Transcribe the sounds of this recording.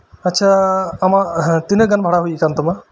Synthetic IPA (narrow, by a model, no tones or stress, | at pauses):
ətːʃʰaːmat̪inəɡanbʱaɽaɦujikant̪ɔma